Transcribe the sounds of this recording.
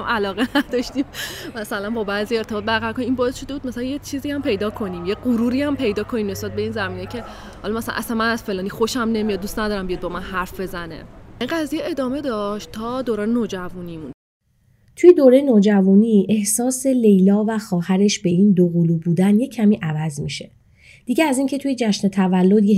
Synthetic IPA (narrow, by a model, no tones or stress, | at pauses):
mʔælɒːɣenæd̪ɒʃt̪immæsælænbɒːbæːziːe̞ɾt̪e̞bɒːt̪̚bæɾɣæɾkʰoniminbɒe̞sʃo̞d̪ebud̪̚mæsælænjet͡ʃʰiːziːæmpʰe̞jd̪ɒːkʰo̞niːmjeɢuɾuːɾiːæmpʰe̞jd̪ɒːkʰonimne̞sbæt̪̚be̞iːnzæmiːnejcʰe̞ | hɒlɒmæsælæ̰nʔæ̰sænmænæz̥fe̞lɒːniːxo̞ʃæmne̞mijɒd̪̚ust̪næd̪ɒːɾæmbijɒd̪bɒːmænɦæɾfb̥e̞zænḛʔiŋɢæzijeed̪ɒːme̞d̪ɒʃt̪ʰɒd̪oːɾɒːnenoːd͡ʒævuniːmun | t̪ʰujed̪oːɾejenoːd͡ʒævuːniːʔe̞hsɒːse̞le̞jlɒːvæxɒːhæɾe̞ʃbe̞ʔiːnd̪oɣuluːbuːd̪ænje̞cʰːæmiːʔævæzmḭʃe | d̪̥iɟeæziŋcʰe̞t̪ʰuje̞d͡ʒæʃnet̪ʰævælːo̞d̪je